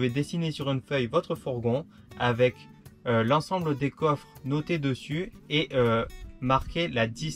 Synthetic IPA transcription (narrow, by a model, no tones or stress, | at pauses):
ved̪esinesyʁynfœjvɔt̪χəfɔʁɡɔ̃ | avɛk | ølɑ̃sɑ̃bləd̪ekɔfχnɔt̪ed̪əsyeʔømaʁkʲelad̪i